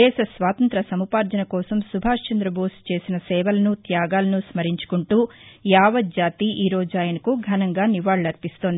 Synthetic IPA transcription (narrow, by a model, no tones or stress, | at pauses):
ɛːʃɐsʋaːt̪ɐnt̪ɾɐsɐmupaːɾd͡ʒɐnɐkɔːsɐmsubʱaːʂt͡ʃɐnd̪ɾɐboːst͡ʃe̞ːsinɐsɛːʋɐlɐnut̪jaːɡaːlɐnusmɐɾiɲt͡ʃu̥kuɳʈuː | jaːʋɐt̪̚d͡ʒaːt̪iʔiːɾoːd͡ʒaːjɐnɐkuɡʱɐnɐŋɡaːniʋaːɭlɐɾpist̪oːnd̪i